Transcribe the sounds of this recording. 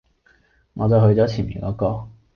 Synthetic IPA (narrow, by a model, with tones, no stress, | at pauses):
ŋɔː˨˧t͡sɐ˨wɦɵ˧ɥt͡sɔː˨˥t͡sʰiː˨˩nmḭː˨˩kɔː˨˥kɔː˧